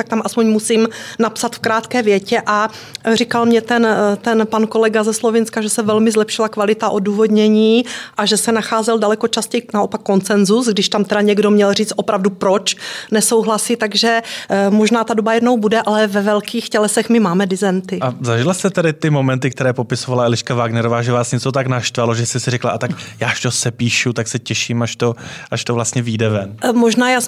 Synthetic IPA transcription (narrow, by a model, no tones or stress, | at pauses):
t̪akt̪amʔaspoɲmusiːmnapsat̪fkɾaːt̪kɛːvjɛcɛʔa | rikalmɲɛt̪ɛnt̪ɛnpanko̞lɛɡazɛslovɪnskaʒɛsɛvɛlmɪzlɛpʃɪlakvalɪt̪aʔo̞duːvo̞dɲɛɲiːʔaʒɛsɛnaxaːzɛldalɛko̞t͡ʃascɛjnao̞pakːo̞nt͡sɛnzusɡdɪʃt̪amt̪ɛdaɲɛɡdo̞mɲɛlriːt͡st̪ʔo̞pɾavdupɾot͡ʃnɛsowɦlasiːt̪aɡʒɛmoʒnaːt̪adobajɛdno̞wbudɛʔalɛvɛvɛlkiːxcɛlɛsɛxmɪmaːmɛdɪzɛnt̪ɪʔazaʒɪlast̪ɛt̪ɛdɪt̪ɪmomɛnt̪ɪk̚t̪ɛɾɛːpo̞pɪsovalaɛlɪʃkavaːɡnɛɾovaːʒɛvaːsɲɛt͡sot̪aknaʃt̪valoʒɛst̪ɛsɪɾɛklaʔat̪akjaːʃt̪osɛpiːʃut̪aksɛcɛʃiːmaʃt̪o̞ʔaʃt̪ovlast̪ɲɛviːdɛvɛnmoʒnaːjaːs